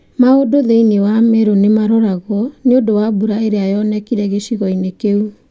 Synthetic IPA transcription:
maodoðeinewameɾonemaɾɔɾaɣɔneodowabuɾaeɾeajɔnɛkiɾɛɣeɕiɣɔinekeu

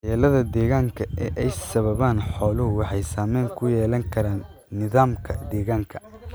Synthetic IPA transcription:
jɛːlɐðɐd̪ɛːɣaːŋkʰɐʔɛʔɛjsɐβɐβaːnħɔːlʊɦʊwɑħɑjsaːmɛːŋkʰʊjɛːlɐŋkʰɐɾaːnː | ɪðaːmkʰɐd̪ɛːɣaːŋkʰɐ̥

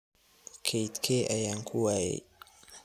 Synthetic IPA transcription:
kʰejt̪kʰeʔajaŋkʰuwaḛ

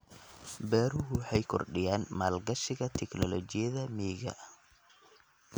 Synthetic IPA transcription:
bɛːɾʊɦʊwħɑjkʰɔ̰rɖɪjaːnmaːlɡɐʃɪɣɐt̪ʰɛknɔlɔt͡ʃɪjɐðɐmiːɣɐ̰

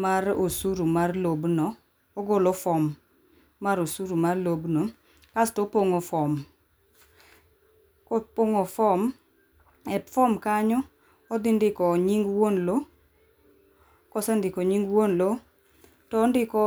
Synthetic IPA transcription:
marosuɾumarlobnɔ | ɔɡolɔfɔmː | aɾosuɾumarlobno | kastɔpoŋofɔm | kɔpoŋofɔm | ɛtfɔmkaɲɔ | ɔd̪ɪndɪkɔɲiŋɡwonlo | kɔsɛndɪkɔɲiŋɡwonlo | tɔːndɪkɔ

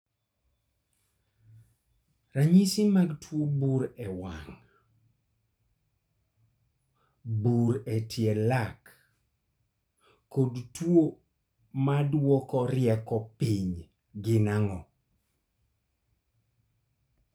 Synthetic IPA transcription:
raɲisimaɡtʰwobuɾɛwa̰ŋ | buɾetʰjelak | odtwo | madwɔkɔɾjɛkɔpiɲ | ɡɪnaŋɔ

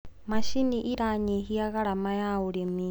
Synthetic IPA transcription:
maʃiniʔiɾaɲiɦijaɣaɺamajauɺimi

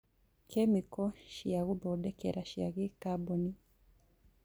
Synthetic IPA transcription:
kʰɛmikɔʃiaɣubɔdɛkɛ̰ɾaʃia̰ɣikabɔni

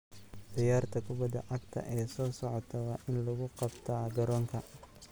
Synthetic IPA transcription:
d̪ɪjaːrt̪ʰɐkʰʊbɐd̪ɐ̰ʔɐɡt̪ʰɐ̰ʔɛːsɔːsɔʕɔt̪ʰɐwɑːʔɪnlɐɣʊqɑbt̪ʰaːɡɐɾɔːŋkʰɐ

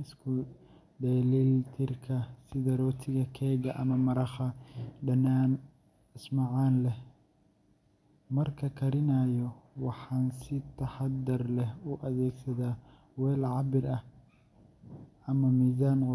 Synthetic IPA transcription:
ɪskʰʊ | ɖɛːlilt̪ʰɪrkʰɐsɪðɐɾɔːt̪ʰɪɣɐkʰɛːɣɐʔɐmɐmɐɾɑχɐɖɐnaːn | ɪsmɐʕɑːnlɛh | mɐrkʰɐkʰɐɾɪnajɔwɑħɑːnsɪt̪ʰɐħɑd̪ɐrlɛhʊʔɐðɛːɡsɐðaː | wɛːlʕɑbɪɾɐh | ɐmɐmiːzaːnqʊ

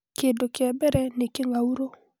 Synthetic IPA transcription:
kedokɪɛbɛɾɛnekɪŋɡauɾo

